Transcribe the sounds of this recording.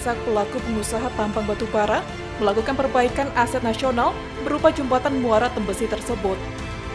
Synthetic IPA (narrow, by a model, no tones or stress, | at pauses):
sak̚pəlakupənusaɦat̪ampaŋbat̪ubaɾat̪̚ | məlakukanpərbaikanasɛt̪̚nasional | bəɾupad͡ʒumpat̪anmuaɾat̪əmbəsit̪ərsəbʊt̪̚